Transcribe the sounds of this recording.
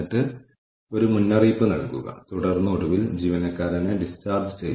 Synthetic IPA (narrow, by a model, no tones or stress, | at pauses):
iʈːɨ | o̞ɾumunːɐriːpːɨnɐ̰ɽɐkːṵɣɐ̰t̪uɽɐrnːɨoɽuʋild͡ʑiːʋɐnɐkːaːɾɐneɖistaːrd͡ʑɨt͡ɕḛj